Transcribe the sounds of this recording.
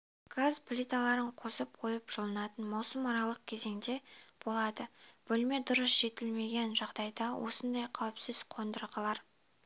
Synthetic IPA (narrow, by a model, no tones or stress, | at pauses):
ɡ̥azplʲit̪ɑlˠɑɾəɴqʰo̞səp̚qʰo̞jəpʒ̥əlˠənɑt̪ənmɑwsəmɑɾɑlˠəq̚kʲʰe̞ze̞ŋd̪e̞b̥o̞lˠɑd̪əb̥ɵlme̞d̪ʊɾəsʒ̥e̞t̪ɪlme̞ɡʲe̞nʒɑʁd̪ɑjd̪ɑwʔo̞̰sənd̪ɑjqʰɑwəpsɪzqʰo̞nd̪əɾʁəlˠɑɾ